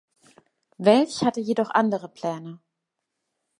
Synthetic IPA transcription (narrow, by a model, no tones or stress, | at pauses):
vɛlçhatəjeːdɔχʔandəʁəpl̥ɛːnə